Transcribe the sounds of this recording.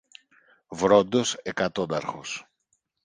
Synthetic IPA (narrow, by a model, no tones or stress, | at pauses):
vɾo̞nd̪o̞sekɐt̪o̞d̪ɐɾxo̞̰s